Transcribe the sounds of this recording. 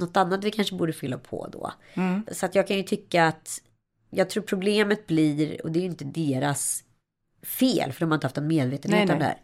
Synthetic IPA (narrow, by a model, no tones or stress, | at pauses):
nɔt̪ːanːat̪vɪkʰanʂəbuːɖəfʏlːapʰɔ̰d̪ɔ̰ | sɔat̪jɑːɡ̚kʰanjɵt̪ʰʏkːaat̪ | jɑːɡ̚t̪ʰɾuːɾpʰɾʊbleːmət̪̚bliɾɔ̰d̪ɛːɾjʏnt̪əd̪eːɾas | fḛːlfœɾɔmanɪnt̪əhaft̪ɔnmeːd̪veːt̪ənʉːt̪and̪ɛhæ̰ːɾ